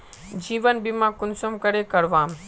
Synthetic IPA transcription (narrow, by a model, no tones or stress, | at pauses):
d͡ʑiːʋənbɪmãkʊnsəmkɐɾekɐɾʋãːm